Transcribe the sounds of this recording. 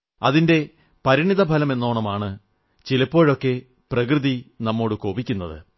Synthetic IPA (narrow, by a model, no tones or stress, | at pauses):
ɐ̰ðinde̞ | pɐɾiɳiðɐbʱɐlɐmenːo̞ːɳɐmaːɳɨ | t͡ɕilɐpːo̞ːɻo̞kːe̞ | prɐk̬rɨðinɐmːo̞ːɽɨko̞ːbikʲːunːɐðɨ̰